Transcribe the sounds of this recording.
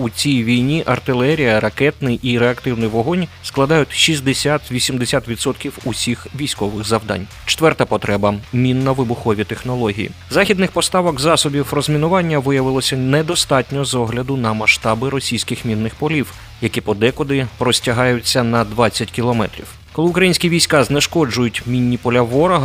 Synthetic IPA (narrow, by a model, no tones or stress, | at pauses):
ut͡sʲijʋʲijnʲiʔɐrt̪ɪlˠɛɾʲijɐɾɐkɛt̪nɪjʔiɾeɐkt̪ɪwnɪjʋɔɦɔnʲsklˠɐd̪ɑjʊtʲʃʲizʲd̪esʲat̪ʋʲisʲimd̪esʲat̪ʋʲid̪sɔt̪kʲiwusʲixʋʲijsʲkɔʋɪxzɐwd̪ɑ̰nʲ | t͡ʃɪ̥t̪ʋɛrt̪ɐpɔt̪ɾɛbɐmʲinːɐʋɪbʊxɔʋʲit̪exnɔlˠɔɦʲḭjḭzɑxʲid̪nɪxpɔst̪ɑʋɐkzɑsɔbʲiwrɔzʲmʲinʊʋɑnʲːɐʋɪjɐʋɪlˠɔsʲɐnɛd̪ɔst̪ɑtʲnʲɔzɔɦlʲɐd̪ʊnɐmɐʃt̪ɑbɪɾɔsʲijsʲkɪxmʲinːɪxpɔlʲiw | jɐkʲipɔd̪ɛkɔd̪ɪpɾɔsʲtʲɐɦɑjʊt͡sʲːɐnɐd̪ʋɑt͡sʲːɐtʲkʲilˠɔmɛ̰t̪ɾʲḭw | kɔlˠɪʊkɾɐjinʲsʲkʲiʋʲijsʲkɑznɛʃkɔd͡ʒʊjʊtʲmʲinʲːipɔlʲɐʋɔɾɔɦɐ